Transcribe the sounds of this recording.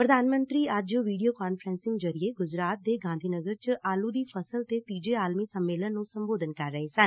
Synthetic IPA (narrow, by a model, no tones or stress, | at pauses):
pɾəd̪aːnmə̃nt̪ɾiːad͡ʒjõːʋiːɖijoːkaːnfʰəɾɛ̃ːnsɪŋɡd͡ʒəɾɪeːɡʊd͡ʒɾaːt̪̚d̪eːɡãːnd̪ʱiːnəɡəɾt͡ʃʔaːluːd̪iːpʰəsəlt̪eːt̪iːd͡ʒeːaːlmiːsəmːeːlənːũːsəmboːd̪ənkəɾːəɦeːsən